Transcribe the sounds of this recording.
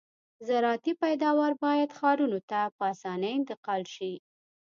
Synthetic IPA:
zaɾɑt̪ipajd̪ɑwaɾbɑjad̪xɑɾunot̪apəɑsɑnəjɪnt̪ɪqɑlʃi

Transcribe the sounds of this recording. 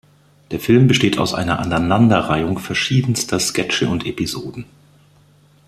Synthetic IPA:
d̥eːɐfɪlmbəʃteːtʰaʊsʔa̰ɪnɐʔananandɐʁaɪʊŋfɛɐʃiːdn̩stʰɐskɛt͡ʃəʊntʔepizoːdn̩

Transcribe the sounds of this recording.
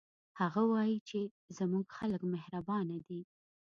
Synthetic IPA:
haɣawɑjit͡ʃe | zamuɡxaləkmɪhɾabɑnad̪i

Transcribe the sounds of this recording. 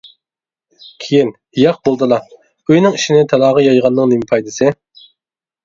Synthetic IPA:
kʲʰejin | ijɑq̚bolˠd̪ɨlˠɑ | øjnɪŋiʃinɪt̪ʰɑlˠɑːʁɑjɑjʁɑnːɨŋnemɪpʰɑjd̪ɨsɨ

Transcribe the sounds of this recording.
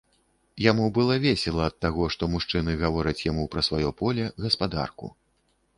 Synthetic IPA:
jamubɨlˠɐvʲesʲɛlˠɐːt̪ːaɣɔʂt̪ɔmuʂt͡ʂɨnɨɣavɔɾɐt͡sʲjamupɾɐsvajɔpɔlʲɛɣɐspad̪a̰rkṵ

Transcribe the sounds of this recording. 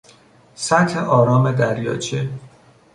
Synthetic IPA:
sæt̪heʔɒːɾɒːme̞d̪æɾjɒ̰ːt͡ʃʰe

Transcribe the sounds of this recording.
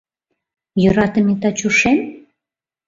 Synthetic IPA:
jøɾɑt̪ə̆mit̪ɑt͡ɕuʃem

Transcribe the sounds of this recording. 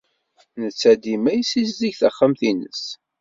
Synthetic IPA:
nət͡sːæd̪imæjəsizziʝθəχːamθinə̰s

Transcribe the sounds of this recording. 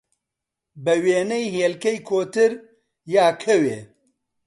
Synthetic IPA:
bɛweːnɛjɦeːlkejkʰoːt̪ɨɾ | jaːkʰɛwḛː

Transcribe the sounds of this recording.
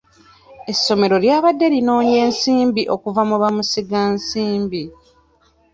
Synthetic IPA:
e̞sːo̞me̞ɾo̞ljaːβadːe̞lino̞ːɲe̞ːnsiːmbiʔo̞kuvamuβamusiɡaːnsiːmbi

